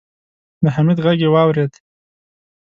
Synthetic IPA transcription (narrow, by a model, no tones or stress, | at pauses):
d̪əɦamid̪ɣaɡewɑwɾed̪